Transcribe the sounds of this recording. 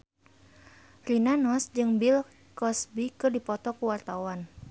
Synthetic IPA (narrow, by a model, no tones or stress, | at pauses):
rinanɔsd͡ʒɨŋbil | kɔsbikɨrdipɔt̪ɔkuwart̪awan